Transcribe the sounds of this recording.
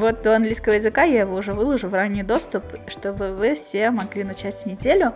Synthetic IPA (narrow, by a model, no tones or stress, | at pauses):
vo̞t̪̚d̪oɐnɡlʲijskəvəjɪzɨkajaɪvo̞ʊʐɛvɨlˠəʐʊvranʲːijd̪o̞st̪ʊpʂt̪o̞bɨvɨfsʲemɐɡlʲinɐt͡ɕætʲsʲnʲɪdʲelʲʊ